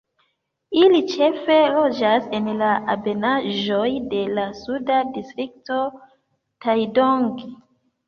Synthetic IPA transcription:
ilit͡ʃe̞fe̞lo̞d͡ʒase̞nlaʔabe̞naʒo̞jde̞lasudadistɾik̚to̞ | tajdo̞ŋɡ

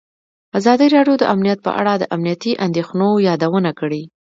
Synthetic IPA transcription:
azɑd̪iɾɑɖjod̪əʔamnijat̪̚pə̰ʔa̰ɽɑd̪əʔamnijat̪iʔand̪exnojɑd̪awənakəɽi

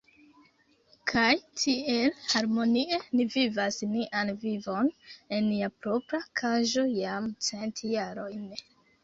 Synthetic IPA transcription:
kʰajtʰie̞lhaɾmo̞nie̞nivivasniʔanvivo̞ne̞nːiapɾo̞pɾakʰaʒo̞jamt͡se̞ntjaɾo̞jn

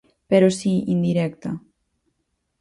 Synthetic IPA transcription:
pɛɾosiind̪iɾɛkt̪ɐ

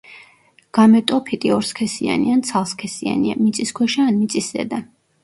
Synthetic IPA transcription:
ɡ̥amɛt̪ʼɔpʰit̪ʼiɔɾskʰɛsia̰niant̪sʰalˠskʰɛsia̰nia̰mit̪sʼiskʰwɛʃaanmit̪sʼiszɛ̰d̪a

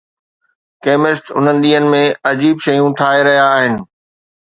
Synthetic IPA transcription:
keːmɪst̪ʊn̤ənɪ̆ɗ̪iːənɪ̆mẽɐd͡ʑiːbʃɐjũʈʰaːɦeɾɐɦijaːɦɪnɪ̆

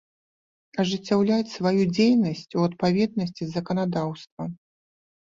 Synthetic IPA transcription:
ɐʐɨt͡sʲːawlʲat͡sʲsvajud͡zʲejnɐsʲt͡sʲuɐt̪̚pavʲɛd̪̚nɐsʲt͡sʲizɐkɐnad̪awst̪vɐ

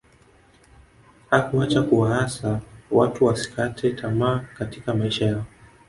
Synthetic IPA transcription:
hakuat͡ʃakuwaasawatuwasi̥kʰatʰɛtʰamaːkatikamaiʃajaɔ

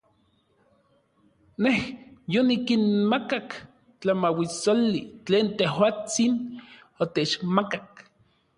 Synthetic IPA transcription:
nehjonikinmakak | t͡ɬamawisolːit͡ɬeːnt̪ehwaːt͡sin | ot̪et͡ʃmakak

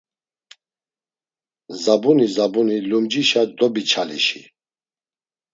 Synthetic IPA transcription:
zabunizabunilumd͡ʒiʃad̪ɔbit͡ʃʰalḭʃḭ

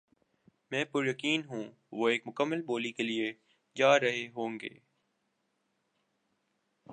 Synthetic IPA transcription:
mɛ̃ːpʊɾjɐkiːnɦũː | ʋoːeːkmʊkəmːəlboːlikelie | d͡ʒaːɾɐɦeɦõːŋɡḛː

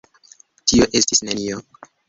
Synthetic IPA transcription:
tioʔe̞stisnenio

